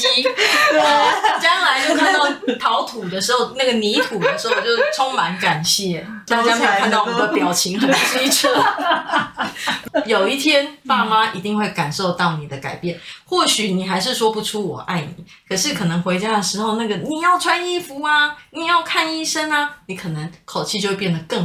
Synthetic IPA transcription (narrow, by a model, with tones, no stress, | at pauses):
i˥˧ | t͡ɕjɑ˦˥ŋla˧˦ɪt͡ɕo˥˧ʊkʰa˥˧nt̪ɑ˥˩ʊt̪ʰɑ˧˦ʊt̪ʰu˨˩d̪ə˦ʂɻ̩˧˥xo˥˧ʊna˥˩ɡə˩ni˧˥t̪ʰu˨˩d̪ə˦ʂɻ̩˧˥xo˥˧ʊt͡ɕjo˥˧˩ʊʈ͡ʂʰo˥ŋma˧˦˥nka˨˩nɕjɛ˥˩ | t̪a˥˩t͡ɕja˥me˧˥jkʰnt̪ɑ˥ʊ˥˩ə˧pjɑ˨˩ʊt͡ɕʰi˧˥ŋə˨˩a˥˧ʂ̩˥˧˥i˥˩ʈ͡ʂʰɤ˥ | jo˨˩ʊi˥˩t̪ʰjɛ˥nfa˥ma˥ʔi˧˥t̪i˥˧ŋxwe˥˩ɪka˨˩nʂo˥˧ʊt̪ɑ˥˨˩ʊni˨˩d̪ə˦ka˨˩ɪpjɛ˥˩nxwɔ˥˩ɕy˨˩ni˨˩xa˧˥ɪʂɻ̩˥˩ʂwɔ˥pu˧˥ʈ͡ʂʰu˥wɔ̰˨˩ʔa˥˩ɪnḭ˨˩˦ | kʰɤ˨˩ʂɻ̩˥˩kʰɤ˨˩nɤ˧˥ŋxwe˧˥ɪt͡ɕja˥d̪ə˨˩ʂɻ̩˧˥xo˥˧ʊna˥˩ɡə˩ni˨˩jɑ˥˩ʊʈ͡ʂʰwa˥ni˥˩fu˧˥a˧ni˨˩jɑ˥˧ʊkʰa˥˧ni˥˩ʂə˥na˧ni˧˥kʰɤ˨˩nɤ˧˦ŋkʰo˨˩ʊt͡ɕʰi˥˧t͡ɕo˥˧we˥˧pjɛ˥˩nd̪ə˩kə˥˩